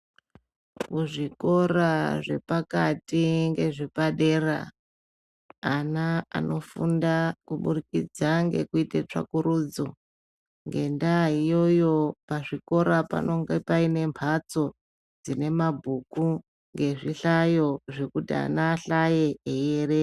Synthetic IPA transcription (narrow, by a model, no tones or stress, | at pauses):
kuʐiko̞ɾaʐe̞̰pakatiŋɡe̞ʐepaɗe̞ra̰ | naa̰no̞fṵndakuɓurikid͡zaŋɡe̞̰kuitet͡ʂa̰kuɾuːd͡zo | ŋɡe̞ndaɦijo̞jo̞paʐiko̞ɾapa̰no̞ŋɡepaine̞mpʰat͡so̞ | d͡zine̞mabʱuku | ŋɡe̞ʐiɬajo̞ʐe̞kutia̰naːɬajeejere